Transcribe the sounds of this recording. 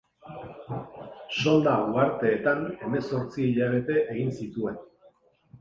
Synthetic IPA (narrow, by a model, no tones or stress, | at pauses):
so̞ld̪auaɾt̪e̞ːt̪ane̞me̞so̞ɾt͡siːʎaβ̞e̞t̪e̞ʔeɣinsit̪ue̞n